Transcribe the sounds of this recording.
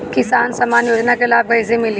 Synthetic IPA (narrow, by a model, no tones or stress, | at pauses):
kɪsaːnsɐmaːnjoːd͡ʒnakelaːb̚ɡɐɪs̬emɪli